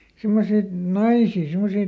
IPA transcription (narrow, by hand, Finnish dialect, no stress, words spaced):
simːosit nɑisiː simːosiː